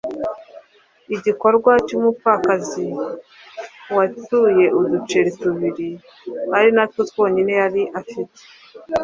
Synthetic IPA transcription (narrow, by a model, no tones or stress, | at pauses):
iɟiko̞ɾɡwacumupakazi | watuje̞ʔudut͡ʃeɾituβiɾi | haɾinatkotwo̞ːɲine̞jaɾiʔafite̥